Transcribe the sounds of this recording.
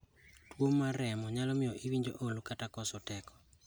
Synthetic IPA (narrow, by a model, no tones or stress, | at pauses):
twomaɾɛmɔɲalɔmɪɔʔiwiɲd͡ʒo̰ʔolukatakɔsɔtɛkɔ̥